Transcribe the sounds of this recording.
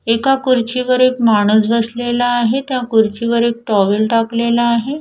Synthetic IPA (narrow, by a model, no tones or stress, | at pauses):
ekakuɾt͡ɕiʋəɾek̚maɽ̃uːsbəslelaːɦet̪jakuɾt͡ɕiʋəɾek̚ʈɔʋəlʈaklelaːɦe